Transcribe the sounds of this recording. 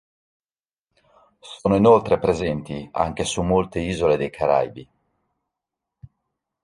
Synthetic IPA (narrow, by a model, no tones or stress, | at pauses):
soːnoinolt̪ɾepɾezɛnt̪ia̰ŋk̟esumːolt̪eiːzoled̪ejkʰaɾa̰jbi